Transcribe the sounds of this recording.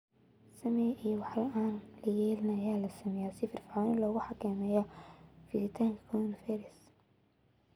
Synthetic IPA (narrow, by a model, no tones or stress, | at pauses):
sɐmɛjʔijɔwɑħlɐʔaːnlɐjɛːlɪnɐːjaːlɐsɐmɛjaːsɪfɪrfɪʕanɪlɔːɣʊħɑkʰɛːmɛːjɔfɪsɪt̪ʰaːŋkʰɐkʰɔnfɛɾɛs